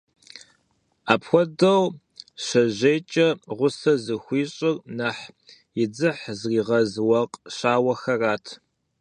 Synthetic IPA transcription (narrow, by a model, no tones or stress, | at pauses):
aːpxʷɔdɐw | ɕɐʑeːt͡ʃʼɐʁʷʊsɐzɨxʷiːɕʼɪrnɐħ | jɪd͡zɨħzriːʁɐzwɐqʼɕaːwɐxɐraːtʰ